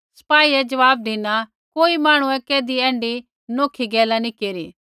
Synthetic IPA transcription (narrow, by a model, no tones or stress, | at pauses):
sɐ̥paːiɛd͡ʒɐʋaːb̚d̪ina | koːimaːɽ̃ũɛkeːd̪iɛ̃ːɳɖi | noːkʰiɡɛːlanikeːɾiː